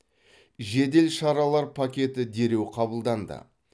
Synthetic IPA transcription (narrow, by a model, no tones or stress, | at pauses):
ʒe̞d̪e̞lʃɑɾɑlˠɑɾpʰakʲe̞t̪ɪd̪e̞ɾe̞wqʰɑbəlˠd̪ɑnd̪ə̰